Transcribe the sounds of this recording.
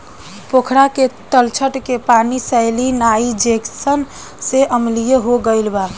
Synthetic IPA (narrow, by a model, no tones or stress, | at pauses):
pokʰɾaket̪əlt͡ʃʰəʈkepanisəɪlinaid͡ʒeksən | seʔəmlijeɦoɡəɪlba